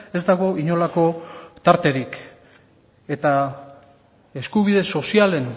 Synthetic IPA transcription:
e̞zd̪aɣ̞o̞iɲo̞lako̞t̪aɾt̪e̞ɾik | e̞t̪a | e̞skuβiðe̞so̞siale̞n

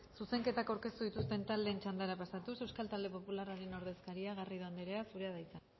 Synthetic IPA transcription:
suse̞ŋke̞t̪akawɾke̞st̪uðit̪ust̪e̞nt̪ald̪eːnt͡ʃand̪aɾapasat̪usewskalt̪ald̪e̞po̞pularaɾe̞no̞ɾðe̞skaɾiaɣariðoand̪eɾeasuɾe̞aðajt͡sa

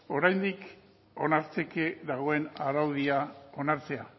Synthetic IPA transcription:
o̞ɾajnd̪ik | o̞naɾt͡se̞keðaɣ̞o̞e̞naɾawð̞iao̞naɾt͡se̞a

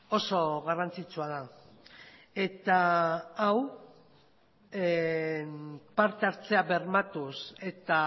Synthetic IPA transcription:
o̞so̞ɣarant͡sit͡suað̞a | e̞t̪aː | w | e | paɾt̪eaɾt͡se̞aβe̞ɾmat̪use̞t̪a

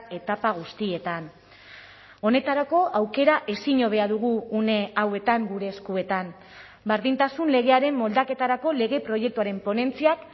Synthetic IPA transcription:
e̞t̪apaɣ̞ust̪ie̞t̪an | o̞ne̞t̪aɾako̞ʔawke̞ɾaʔe̞siɲo̞β̞e̞aðuɣ̞uːne̞awe̞t̪aŋɡuɾe̞ːskue̞t̪am | baɾðint̪asunle̞ɣ̞e̞aɾe̞mːo̞ld̪ake̞t̪aɾako̞le̞ɣ̞e̞pɾo̞je̞k̚t̪uaɾe̞mpo̞ne̞nt͡siak

